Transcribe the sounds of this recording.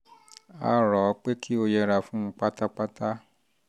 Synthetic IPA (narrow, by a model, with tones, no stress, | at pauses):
a̰˦ɾɔ˨˦k͡pe˦kʰi˦o˧jɛ˧ɾa˧fũ˦˧k͡pa˦ta˦k͡pa˦ta˦